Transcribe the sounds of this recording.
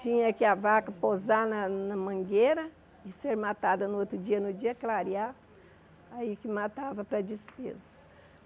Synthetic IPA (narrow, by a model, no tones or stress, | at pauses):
t͡ʃĩɲɐkɪavakɐpozanɐnɐmɐ̃ɡeɾɐ | ɪseɾmat̪ad̪ɐnʊot̪ɾʊd͡ʒiɐnʊd͡ʒiɐklaɾia | aikɪmat̪avɐpɾɐd͡ʒɪspḛzɐ̥